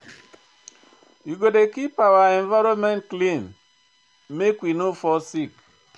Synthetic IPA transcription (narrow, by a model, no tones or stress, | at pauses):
iɡodekipawaeɱvaɾɔmentklimː | ekʷinufɔsik